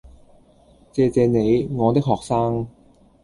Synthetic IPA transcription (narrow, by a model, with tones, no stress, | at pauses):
t͡sɛː˧t͡sɛː˧ne˨˧jŋɔː˨˧t̪ɪ˥k̚ɦɔː˨k̚saː˥ŋ